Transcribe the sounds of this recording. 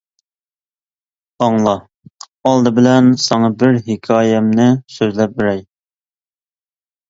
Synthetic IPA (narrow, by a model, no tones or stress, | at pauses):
ɑŋlˠɑ | ɑlˠd̪ɨbɪlɛnsɑŋɑbɪɾɦɪkʲʰɑːjɛmnɨsøzlɛp̚bɪɾɛj